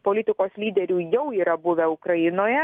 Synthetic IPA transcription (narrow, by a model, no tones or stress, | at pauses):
poːlʲɪt̪ʲɪkoːslʲiːd̪ʲɛɾʲuːjɛʊiːɾɐbʊʋʲɛʊkɾɐjɪnoːjɛ